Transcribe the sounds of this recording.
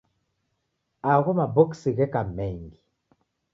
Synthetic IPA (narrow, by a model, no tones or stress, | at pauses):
aɣumabɔksiɣɛkamɛŋɡi